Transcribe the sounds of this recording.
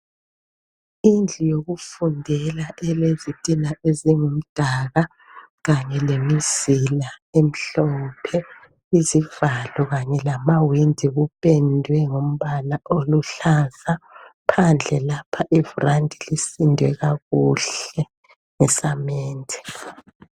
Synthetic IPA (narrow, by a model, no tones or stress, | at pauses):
ind͡ɮʱujoɣufundʱɛlaʔɛlezitʼinaʔeziŋum̩d̥ʱaːɣa | ɣaɲɛlemizilaem̩ɬɔpʰɛ | izivalɔɣaɲɛlamawindʱiɣupʼendʱwɛŋom̩βalaʔoluɬazapʰand͡ɮʱɛlapʰaʔivurandʱilisindʱwɛɣaɣuɬɛ | ŋɛsameːntʰɛ̥